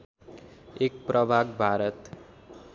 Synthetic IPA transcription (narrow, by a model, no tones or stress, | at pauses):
ek̚prʌbʱaɡ̚bʱaɾʌt̪